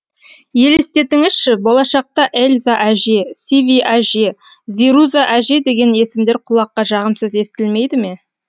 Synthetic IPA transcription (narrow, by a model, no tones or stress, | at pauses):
je̞lɪst̪e̞t̪ɪŋɪzʃɪbolˠɑʃɑq̚t̪ɑʔelʲzaʔæʒesivʲiʔaʒe | ziɾuzaʔæʒed̪e̞ɡʲe̞ne̞sɪmd̪e̞ɾqʰʊlˠɑqːɑʒɑʁəmsəze̞st̪ʲɪlme̞jd̪ɪme̞